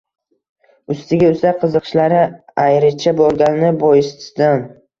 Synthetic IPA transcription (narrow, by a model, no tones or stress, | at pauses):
ʊst̪ɪɡʲaʊst̪aqʰɨzɨqʰʃlaɾɪajɾɪt͡ʃʰabɒɾɡʲannɪbɒjɪsd̪an